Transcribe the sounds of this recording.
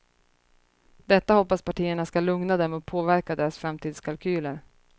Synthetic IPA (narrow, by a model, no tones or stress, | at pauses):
d̪ɛt̪ːahɔpːaspaʈʰiːəɳaskalɵŋnad̪ɛmɔpʰoːvæɾkad̪eːɾasfɾamt̪ʰiːd̪skʰalkʰyːləɾ